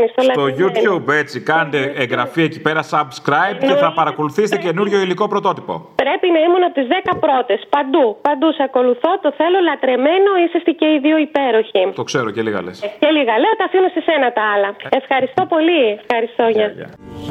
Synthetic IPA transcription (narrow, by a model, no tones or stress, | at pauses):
nist̪olɐt̪oʝut̪ube̞t͡sikɐnd̪eeŋɡɾɐfiecipe̞ɾɐsɐbskɾɐjb̚ceθɐpɐɾɐko̞luθist̪ece̞nuɾʝo̞iliko̞pɾo̞t̪o̞t̪ipo̞̰pɾe̞pinɐimunot̪izðe̞kɐpɾo̞t̪e̞spɐnd̪upɐnd̪usɐko̞luθo̞t̪o̞θe̞lo̞lɐt̪ɾe̞me̞no̞isest̪iceiðioipe̞ɾo̞çit̪o̞kse̞ɾoceliɣɐ̰lesce̞liɣɐleot̪ɐfinust̪isenɐt̪ɐɐlɐe̞fxɐɾist̪o̞po̞liefxɐɾist̪o̞ɲɐ